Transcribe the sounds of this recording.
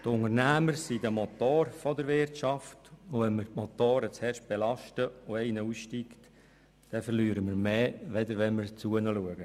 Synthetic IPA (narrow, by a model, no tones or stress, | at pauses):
t̪ʊŋərnæːməɾsidəmɔt̪oːɾfɔdəɾʋɪrtʃɑftʊʋɛnməɾtmɔt̪oːɾət͡shɛrʃt̚b̥elɑʃtəʊɛɪnəusʃtikt | d̥ɛfərlyːɾəmərmeːʋɛdəɾʋɛnmɪɾt͡suənəluəɡə